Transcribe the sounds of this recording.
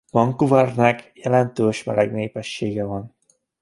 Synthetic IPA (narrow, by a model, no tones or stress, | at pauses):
mɒŋkuvɛrnɛkjɛlɛnt̪øːʃmɛ̰lɛɡneːpɛʃːeːɡɛvɒn